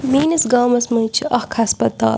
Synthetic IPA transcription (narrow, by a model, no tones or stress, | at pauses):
miːnɐsɡaːmɐsmɐːt͡ʃʰiʔɐhkʰɐspɐt̪a̰ːl